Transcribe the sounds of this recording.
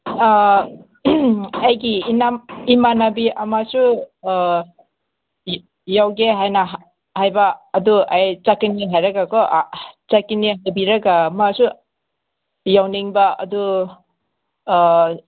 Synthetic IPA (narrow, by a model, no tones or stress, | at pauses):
ajɡiːnamimanabiʔamasu | jawɡeɦajnaɦ | hajbaːduajt͡ʃakiniɦajɾaɡakɔʔt͡ʃakiniɦajbiɾaɡamasu | jawniŋbaɐ̰du